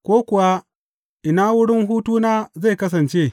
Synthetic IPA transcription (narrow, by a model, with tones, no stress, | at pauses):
kʷoː˦kʷʊ˨wa˦ | ʔɪ˨naː˦wʊ˦ɽɪ˦ŋɦuː˦tuː˦naː˦za˦˨jkɐ˦s̬ɐ˨nt͡ʃeː˦˨